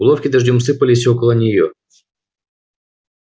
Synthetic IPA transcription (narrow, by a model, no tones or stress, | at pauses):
lˠofkʲɪd̪ɐʐdʲɔmsɨpəlʲɪsʲokəlˠənʲɪjo